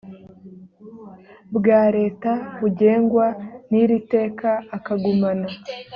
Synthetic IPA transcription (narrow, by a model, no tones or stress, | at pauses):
bɡaːɾe̞ːtaβuɟe̞ːŋɡwaniɾite̞ːkaːkaɡumana